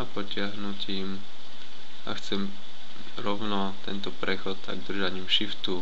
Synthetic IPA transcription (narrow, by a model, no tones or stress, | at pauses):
apɔcɪaɦnucim | a̰xt͡sɛm | ɾɔʊnɔ | t̪ɛ̰nt̪ɔpɾɛxɔt̪t̪a̰ɡd̪r̩ʒaɲiːmʃift̪u